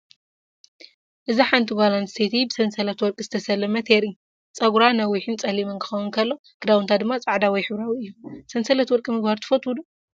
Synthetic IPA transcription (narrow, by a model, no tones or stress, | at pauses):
ʔɨziħant̪ʰibalansʰet̪ʰibɨsɐnsɐlɐt̪wɔɾkʼɨzɨ̥t̪ʰɐsɐlːɐmɐt̪ʰeɾi | t͡sʼɐɡuɾanɐwiħɨnt͡sʼɐlimɐnkʰɨ̥xɐwunkʰɐlːo̞ | ɡ̥ɨd̪awunt̪ʰad̪ɨmːat͡sʼaʕd̪awɔjħɨβɾawiɨjːusɐnsɐlɐt̪wɔɾkʼimɨɡbaɾt̪ʰɨ̥fot̪wud̪u